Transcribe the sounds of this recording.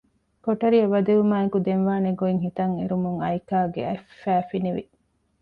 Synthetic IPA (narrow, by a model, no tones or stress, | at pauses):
koʈɐɾiɐbɐd̪eʋumaːekud̪enʋaːneɡoiŋɦit̪ɐŋeɾumuŋɐjkaːɡḛɐfːæːfiniʋḭ